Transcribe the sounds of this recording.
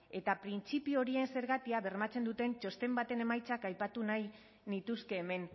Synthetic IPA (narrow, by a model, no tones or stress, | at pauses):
e̞t̪apɾint͡sipio̞ɾie̞nse̞ɾɣat̪iaβe̞rmat͡se̞nd̪ut̪e̞nt͡ʃo̞st̪e̞mbat̪e̞ne̞majt͡sakajpat̪unaj | nit̪uske̞ːme̞n